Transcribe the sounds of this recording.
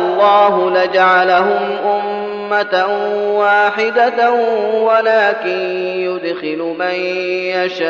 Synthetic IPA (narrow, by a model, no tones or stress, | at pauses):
ʔlˤːɑːɦʊlad͡ʒaʕalaɦʊmʔʊmː | at̪awaːħɪd̪a | walaːkɪn | jʊd̪xɪlʊmanjaʃaː